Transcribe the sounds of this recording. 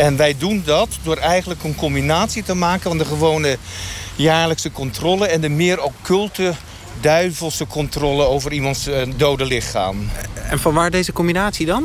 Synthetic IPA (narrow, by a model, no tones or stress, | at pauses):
ɛnʋɛjdundɑtdʊːɾɛjənləkənkɔmbinaːtsitəmaːkənfɑndəχəʋownəjaːɹləksəkɔntrɔləɛndəmɪːɾowkːɵlˠtə | dœɥvəlˠsəkʰɔntrɔləowvərimɑntsdowdəlɪχa̰ːmɛnfɑnʋaːɹdejzəkɔmbinaːtsidɑn